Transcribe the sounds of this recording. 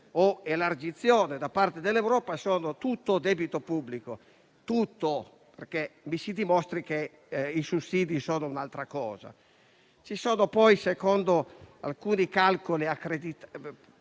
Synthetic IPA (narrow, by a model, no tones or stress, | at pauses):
oelard͡ʒit̪sːjɔːned̪apːart̪ed̪elːewɾɔːpasɔːnot̪ut̪ːod̪ɛbit̪opubːliko | t̪ut̪ːo | perkemisid̪imɔst̪ɾike | isusːiːd̪isɔːnounalt̪ɾakɔ̰ːza̰ | t͡ʃisɔːnopɔjsekɔnd̪oa̰lkuːnikalkoliakːɾed̪it̪